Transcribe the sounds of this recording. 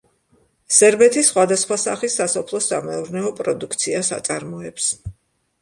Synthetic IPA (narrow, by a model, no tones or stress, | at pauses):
sɛɾbɛt̪ʰisχwad̪asχwasaχisːasɔpʰlˠɔsa̰mɛuɾnɛɔpʼɾɔd̪ukʰt̪sʰiasa̰t̪sʼaɾmɔɛps